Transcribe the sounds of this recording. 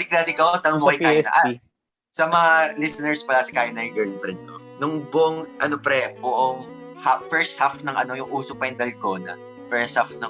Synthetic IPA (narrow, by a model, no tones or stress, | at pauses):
ɪklaːd̪ɪkɐwt̪ɐnɐŋmʊkɐjkaːjnɐ̰ʔɐ | sɐmɐŋalɪsɐnɛɹspɐlaːsɪkaːjonɐɪɡɛɹlpɾɪnt̪onʊŋbʊʔoŋʔɐnopɾɛbʊʔoŋhafɛɹst̪̚hafnɐŋɐ̰no̞jʊŋʔuːsopɐjɪnd̪ɐlkoːnɐ̰ | fɛɹst̪̚hafnɐ